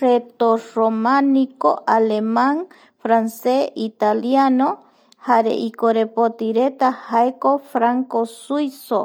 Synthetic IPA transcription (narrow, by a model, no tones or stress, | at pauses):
ret̪oɾomanikoʔalemaŋ | fɾanseit̪aljano | haɾḛʔikoɾepot̪iɾet̪ahaekofɾaŋkosujso̰